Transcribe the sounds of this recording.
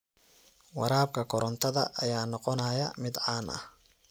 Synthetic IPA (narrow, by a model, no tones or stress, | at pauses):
wɑɾaːb̚kʰɐkʰɔɾɔnt̪ʰɐðɐʔɐjaːnɔqɔnɐjɐmɪd̪ʕaːnʔɐ̰h